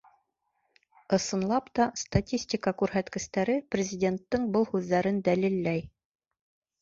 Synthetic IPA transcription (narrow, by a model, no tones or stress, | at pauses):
ɤ̆sɤ̆nlˠɑpt̪ɑst̪atʲisʲtʲikɑkʉɾɦæt̪kɘ̆st̪æɾɘprʲɪzʲɪdʲe̞nt̪ːɤɴbɤlˠhʉðːæɾɘnd̪ælilːæj